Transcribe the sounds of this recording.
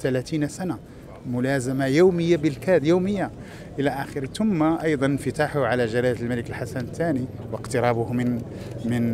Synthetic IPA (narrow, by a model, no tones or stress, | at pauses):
t̪ælæt̪inasæna | mʊlæzamajuwməjːabəlkæd̪juwməjːa | ʔəlæʔæxəɾt̪ʊmːaʔɑjd̪ˤɑnnfət̪aħʊʕalæʒaɾajəlmæləkəlħasænt̪ːæni | wəqt̪əɾˤɑbʊh | mən